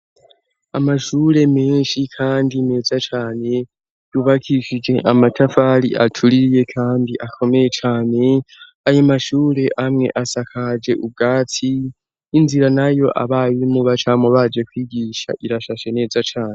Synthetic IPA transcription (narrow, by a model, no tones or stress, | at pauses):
amaʃuːɾe̞me̞ːnʃikʰaːndine̞ːzat͡ʃaːne̞ | juβakʰiʃid͡ʒe̞ʔamatʰafaliʔatʰuɾije̞kʰaːndiʔakʰo̞me̞je̞t͡ʃaːne̞ | ajomaʃuːɾe̞ʔamŋe̞̰ʔasakʰad͡ʒe̞ʔub̚ɡaːtʰiː | nziɾanajo̞ʔa̰βajiimuβat͡ʃamoβad͡ʒe̞kwiːɡiːʃa̰ʔiɾaʃaʃe̞ne̞ːzat͡ʃaːne